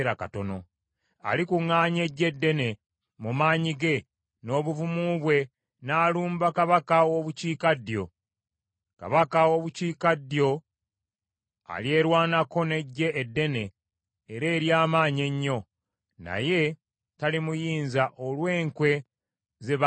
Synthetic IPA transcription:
ɾakato̞no̞̰ | a̰likuŋːaːɲe̞ɟːe̞dːe̞ne̞ | mumaːɲiɡe̞ | no̞ːβuvumuβwe̞ | naːluːmbakaβakaoβuciːkadjo̞ | ka̰βakao̞βuciːkadjo̞ | a̰lje̞ːɾwaːnako̞ne̞ɟːe̞ʔːdːe̞ne̞ː | ɾe̞ːɾjaːmaːɲe̞ɲːo̞ | na̰je̞ | talimujiːnzaʔolwe̞ːŋkwe̞ | ze̞β

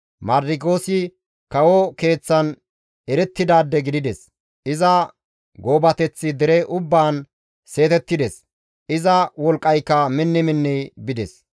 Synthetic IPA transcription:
mɐɾdɪkʼoːsɪ | kɐwoke̞ːt͡sːɐn | ɛɾɛt̪ːɪd̪aːd̪ːɛɡɪd̪ɪd̪ɛs | ɪzɐ | ɡo̞ːbɐt̪ɛt͡sːɪd̪ɛɾɛʔʊbːaːn | se̞ːt̪ɛt̪ːɪd̪ɛs | ʔɪzɐwɔlkʼːɐjkːɐmɪnːɪmɪnːɛjbɪd̪ɛs

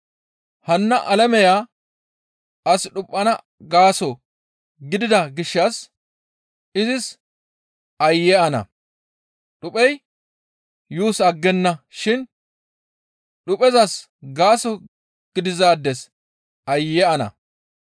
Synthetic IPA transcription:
hɐnːɐʔɐlɐmɛjaː | ʔɐsɗʊpʼːɐnɐ | ɡaːsɔ | ɡɪd̪ɪd̪ɐɡɪʃːɐs | ɪzɪs | ʔɐjːɛʔɐnɐ̰ | ɗʊpʼɛj | juːsɐɡːɛnːɐʃɪn | ɗʊpʼɛzɐs | ɡaːsɔ | ɡ̥ɪd̪ɪzaːd̪ːɛs | ɐjːɛʔɐnɐ̰

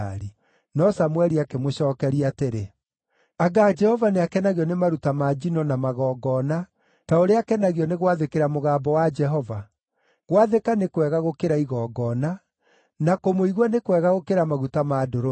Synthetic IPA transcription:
ɾi | nɔsamwɛɾiakemoɕɔːkɛɾiateɾe | aɡaːd͡ʒɛhɔvaneakɛnaɣiɔnemaɾutamaːd͡ʒinɔnamaɣɔːɡɔna | taoɾeakɛnaɣiɔneɣwaðekeɾamoɣaːbɔwad͡ʒɛɦɔva | ɣwaðekanekwɛɣaɣokeɾaiɣɔːɡɔːna | nakomoiɣwɔnekwɛɣaɣokeɾamaɣutamadoɾo

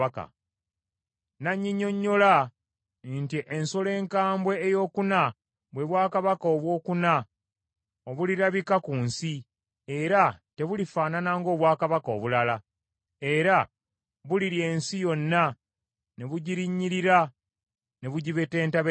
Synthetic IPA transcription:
aka̰ | naɲːiɲːo̞ɲːo̞la | ntiʔensole̞ːŋkaːmbwe̞ːjo̞ːkuna | βwe̞βwaːkaβakaoβwo̞ːkuna | o̞βuliɾaβikakunsi | e̞ɾate̞βulifaːnanaŋɡo̞ːβwaːkaβako̞ːβulala | e̞ɾa | βuliɾje̞ːnsijo̞nːa | ne̞βuɟiɾiɲːiɾiɾa | ne̞βuɟiβe̞te̞ːntaβe

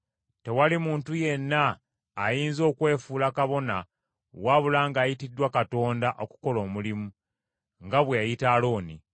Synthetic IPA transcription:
te̞walimuːntuje̞nːaː | jiːnzo̞ːkwe̞ːfuːlakaβo̞na | waβulaːŋɡaːjitidːwakato̞ːndaʔo̞ku̥ko̞lo̞ːmulimu | ŋɡaβwejitaːlo̞ːni

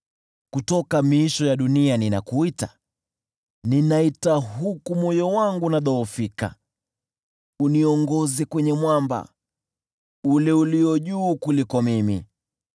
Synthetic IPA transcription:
kutɔkamiiʃɔjaɗunianinakuita | ninaitaɦukumɔjɔwaŋɡunaɗɔːfika̰ | uniɔŋɡɔzɛkwɛɲɛmwamba̰ | ulɛuliɔʄuːkulikɔmimḭ

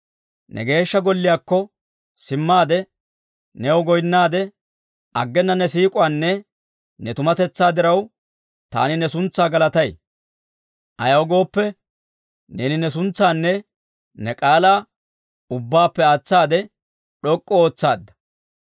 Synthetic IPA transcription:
nʔɛ̰ɡe̞ːʃːɐɡɔlːɪjaːkːɔ | sɪmːaːd̪ɛ | nɛwɔɡɔjnːaːd̪ɛ | ɐɡːɛnːɐnɛsiːkʼʊanːɛ | nɛt̪ʊmɐt̪ɛt͡sːaːd̪ɪɾɐw | t̪a̰ːnɪnɛsʊnt͡sːaːɡɐlɐt̪ɐj | ʔɐ̰jɐwɔɡo̞ːpːɛ | nḛːnɪnɛsʊnt͡sːaːnːɛ | nɛkʼaːlaː | ʊbːaːpːɛaːt͡sːaːd̪ɛ | ɗɔkʼːɔoːt͡sːaːd̪ːɐ̥

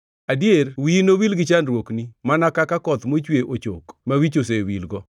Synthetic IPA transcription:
adjerwinowilɡɪt͡ʃanɾwoknimanakakakɔt̪mot͡ʃweʔot͡ʃo̰kmawit͡ʃos̬ewilɡɔ

